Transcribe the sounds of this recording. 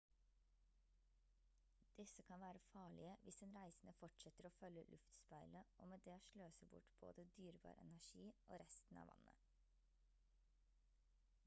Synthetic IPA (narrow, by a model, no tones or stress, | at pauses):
d̪̥ɪsəkʰɑnʋæːɾəfɑːɭɪəʋʔɪsd̪ɛnɾæɪsn̩əfɔʈʃɛt̪əɾoːfœləlʔʉft̪spæɪləʔo̰ːmeːd̪eːoːʃløːsəbʊ̰ʈb̥o̰ːd̪əd̪yːɾbɑ̰ːɾɛ̰næʃiːʔo̰ːɾɛst̪n̩ɑ̰ːʋʔɑ̰nə̰